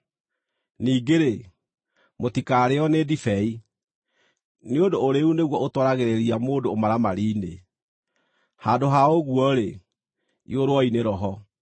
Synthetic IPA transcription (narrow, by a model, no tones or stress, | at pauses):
niːɡeɾe | motikaɾeɔnedifɛi | neondoːɾeuneɣwɔʔotwɔɾaɣeɾeɾiamoːdoːmaɾamaɾiːne | haːdoɦaoɣuɔɾe | ḭoɾwɔineɾɔɦɔ